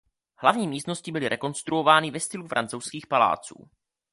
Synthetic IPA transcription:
hlavɲiːmiːst̪no̞scɪbɪlɪɾʔɛko̞nst̪ɾuo̞vaːnɪvɛst̪ɪlufɾʔa̰nt͡sowskiːxpala̰ːt͡sṵː

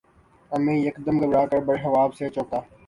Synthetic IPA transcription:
əmẽːjəkd̪əmɡəbɾaːkəɾbəɽeɦɐʋaːbseːt͡ʃoːt̪aː

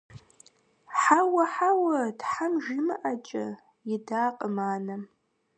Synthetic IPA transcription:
ħawɐħawadħamʒimɨʔat͡ʃʼɐ̰ | idaːqʼəmaːna

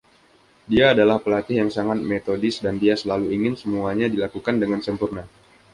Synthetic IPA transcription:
diaːdalahpəlat̪ɪhjaŋsaŋat̪̚met̪odɪsdandiasəlaluiŋɪnsəmuaɲadilakukandəŋansəmpurna

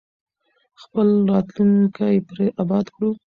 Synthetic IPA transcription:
xpəlɾɑt̪luŋkʰajpɾeʔabɑd̪kɽu

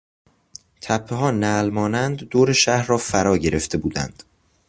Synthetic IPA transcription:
t̪ʰæpʰːeɦɒːnælmɒːnænd̪ːoːɾeʃæhɾrɒːfæɾɒːɟe̞ɾe̞ft̪ʰe̞buːd̪æ̰nd̪̥

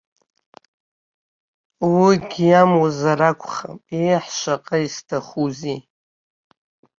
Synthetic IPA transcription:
wiɡʲjamwazaɾakʷʰʼχa̰mejħʃʷaqʼaistʰaχuzi

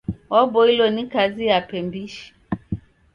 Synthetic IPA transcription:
ɔbɔilɔnikazijapɛmbiʃi̥

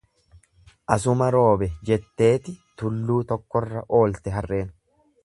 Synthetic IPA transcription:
ʔɐs̬ʊmɐɾo̞ːbɛd͡ʒɛt̪ːe̞ːt̪ɪt̪ʊlːuːt̪ɔkːɔrːɐʔo̞ːlt̪ɛɦɐrːʔe̞ːn

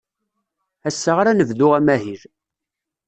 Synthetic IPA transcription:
æsːəʁɾænəvðʊʁæmæɦil

